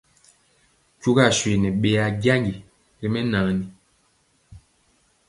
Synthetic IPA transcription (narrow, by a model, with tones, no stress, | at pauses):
cu˦ɡa˦˨ʃwe˨nɛ˨ɓe˦a˦ɡja˦ŋɡi˨ | li˦mɛ˦naː˨˦ni˨